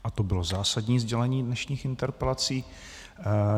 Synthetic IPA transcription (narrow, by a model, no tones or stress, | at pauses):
ʔat̪o̞bɪlo̞zaːsadɲiːzɟɛlɛɲiːdnɛʃɲiːxɪnt̪ɛɾpɛlat͡siː